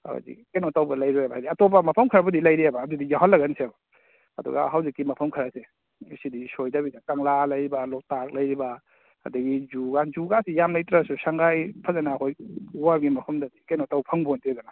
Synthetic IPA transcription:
a̰wa̰dḭkenotawbɐlajɾojabaadiatopamɐpʰɐmkʰaɾabɐdilajɾiabaːdudijaɦalːaɡɐnseba | ɐ̰dɔ̰ɡa̰ɦawzikːimɐpʰɐmkʰaɾase | sidisojdabidakaŋlalajɾibalɔk̚tak̚lajɾiba | a̰dɐɡizuɡazuɡasijamlajtɾasusaŋɡajpʰazanaːkʰojwaɾɡimɐpʰɐmdadikenotawpʰɐŋbontiɡana

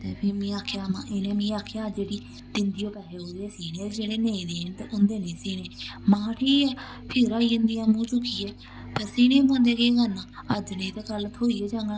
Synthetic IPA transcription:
t̪ḛːpʰiːmĩːaːkʰeaːmãːʔenẽːmĩːaːkʰeaːd͡ʒeːɽiː | d̪ɪnd̪iːoːpɛːɾeːoːeːsiːnẽːd͡ʒeːɽeːnẽːĩːd̪eːnt̪ḛːʔʊnd̪eːnĩːsiːneːmãːʈʰiːɛː | pʰɪɾaːiːənd̪iːjãːmũːt͡ʃʊkiːɛː | pəɾsiːnẽːmõnd̪eːkeːkənãːəd͡ʒnẽːt̪eːkəlt̪ʰoːiːɛːd͡ʒãːŋɡa

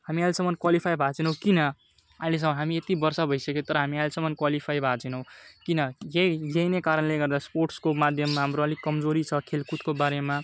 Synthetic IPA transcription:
hamialsʌmʌnkwalipʰajbʱat͡sinʌw̃kinʌ | ajles̬ʌmʌnɦamiet̪ibʌrsabʱʌjsʌket̪ʌɾʌɦamialsʌmʌnkwalipʰajbʱat͡sinʌw̃kinʌjejejnekaɾʌnleɡʌrd̪asporʈskomad̪ʱjʌmːaɦamɾoʌlikʌmd͡zoɾit͡sʰʌkʰelkut̪kobaɾema

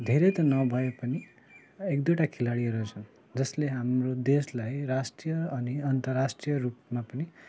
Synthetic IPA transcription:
d̪ʱeɾet̪ʌnʌbʱʌjepʌni | ekd̪oʈakʰilaɽieɾut͡sʰʌn | d͡zʌsleɦamrod̪eslajɾasʈijʌʌniʌnt̪ʌrːasʈrijʌrupmapʌni

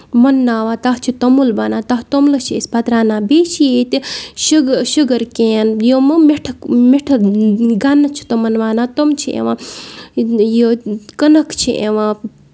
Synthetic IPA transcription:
mɐnːaːʋaːt̪ɐɦt͡ʃʰit̪ɐmulbaːnãːt̪ɐɦt̪omlɐt͡ʃʰiespɐt̪ɾaːnãːbeːt͡ʃʰiet̪iʃuɡʃuɡɐɾkeːnjomɨmeʈʰɐkmeʈʰɐɡɐnɐt͡ʃʰi̥t̪ɐmɐnʋaːnaːt̪omt͡ʃʰiʔḛʋãː | jokɐnɐkʰt͡ʃʰiʔḛʋãː

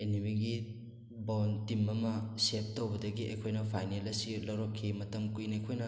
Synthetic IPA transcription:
enimiɡi | bontimɐmɐsep̚towbɐdɐɡiʔɐ̰jkʰojnɐpʰajnelɐsilɐwɾokʰːimɐtɐmkujnɐjkʰojnɐ

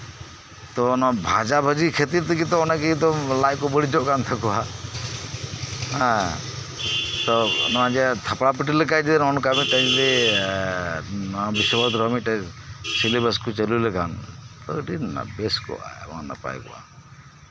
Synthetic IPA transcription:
t̪ɔnɔbʱad͡ʒabʱəd͡ʒikʰet̪iɾt̪ʰikit̪ɔnakit̪ɔlajkɔbɔɽid͡ʒɔkant̪ʰakua | ɦa | t̪ɔnɔad͡ʒet̪ʰapɽapiʈilekad͡ʒid̪enɔnɔkamiʈad͡ʒid̪e | nɔbisɔbɔd̪ɾɔmiʈasilibəskut͡ʃəlulekant̪ɔʈinna̰beskɔ̰a̰mɔ̰na̰pa̰jkṵa̰

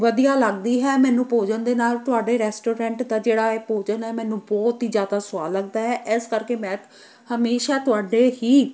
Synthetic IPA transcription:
ʋəd̪ijaːləɡd̪iːɦɛːmɛ̃ːnũːpoːd͡ʒənd̪eːnaːlt̪ʊaːɖeːɾɛːsʈoːɾɛ̃ːɳʈd̪aːd͡ʒeːɽaːeːpoːd͡ʒənɛːmɛ̃ːnũːbɔːt̪ɦiːzjaːd̪aːsʊa̰ːlːəɡd̪aːɦɛːʔɪskəɾkeːmɛ̃ː | həmeːʃaːt̪ʊaːɖeːɦiː

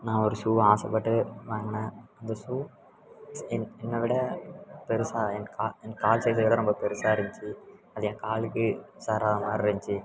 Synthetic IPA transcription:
nãːɔɾɯsuːaːsɐpːɐʈːɯʋaːŋɡɐnaːɐnd̪ɐsuː | ɛnɛnːɐʋɪɽɐpɛɾɯsaːɛnkaːɛnkaːlsɛjsɐʋɪɽɐɾɔmbɐpɛɾɯsaːɐɾɪɲt͡ʃɯɐðɐɛ̃ːkaːlɯkːɯsaːɾaːɣɐmaːɾɪɾɪɲt͡ʃi

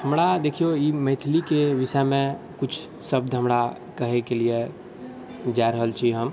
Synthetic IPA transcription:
həmɽad̪eːkʰijoiməɪt̪ʰlikeʋɪsəmẽ | kʊt͡ʃʰ | səb̚d̪ɦəmɾa | kəɦekelie | d͡ʒajɾəɦəlt͡ʃʰiɦəm

